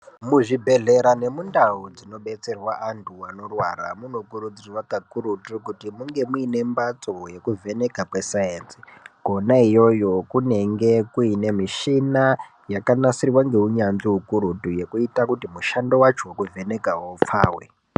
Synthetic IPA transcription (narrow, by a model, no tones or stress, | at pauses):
muʐibʱe̞ɮe̞ɾane̞mundaud͡zino̞ɓe̞t͡se̞rwaʔantʰuwano̞rwa̰ra̰muno̞kuɾud͡zirwakakuɾutukutimuŋɡe̞muine̞mbat͡soje̞kuvʱe̞ne̞kapwesajeːnsi̥ɡ̥ʱo̞naijo̞jo̞kune̞ŋɡe̞kuine̞miʃina | jakanasirwaŋɡe̞uɲanʐiukuɾutuje̞kuitakutimuʃando̞wat͡ʃowekuvʱe̞ne̞kawoup͡fa̰ːwḛ